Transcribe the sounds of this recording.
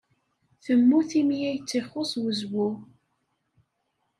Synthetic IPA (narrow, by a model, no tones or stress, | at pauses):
θəmːuθimjæjət͡sːiχːʊswəzwu